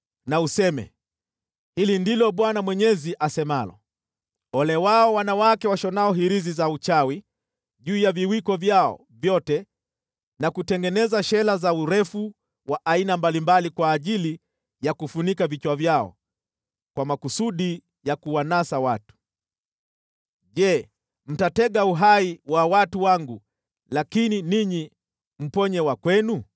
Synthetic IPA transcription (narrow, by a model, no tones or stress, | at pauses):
nausɛmɛ̰ | hilindilɔɓwanamwɛɲɛziʔasɛmalɔ̰ | ɔlɛwaɔwanawakɛwaʃɔnaɔɦiɾizizaut͡ʃawi | ʄuːjaviwikɔvjaɔ̰ | vjɔtɛ | nakutɛŋɡɛnɛzaʃɛlazauɾɛfu | waʔainambalimbalikwaːʄili | jakufunikavit͡ʃwavjaɔ̰ | kwamakusuɗi | jakuwanasawatu̥ | ʄɛ | m̩tatɛɠauɦaiwawatuwaŋɡu | lakininiɲi | m̩pɔɲɛwakwɛnu